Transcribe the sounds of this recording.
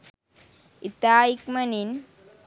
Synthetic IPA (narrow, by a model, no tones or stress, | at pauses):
it̪aːjikmɐnin